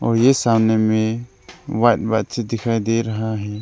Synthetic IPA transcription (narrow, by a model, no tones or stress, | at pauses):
ɔɾjɛsamnɛmɛ | wajt̪̚ˀbat̪̚t͡ʃʰɛd̪ɛkʰajd̪ɛɾaɦaɦɛ̃